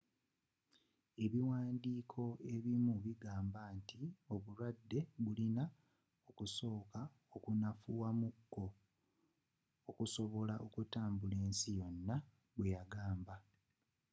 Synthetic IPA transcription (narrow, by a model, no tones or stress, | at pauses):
e̞βiwaːndiːkʰo̞e̞βimuβiɡaːmbantio̞βulwadːe̞βulina | o̞kuso̞ːka | okunafuwamukːo̞ | kuso̞βo̞laʔo̞kutaːmbule̞ːnsijo̞nːa | βwe̞jaɡaːmba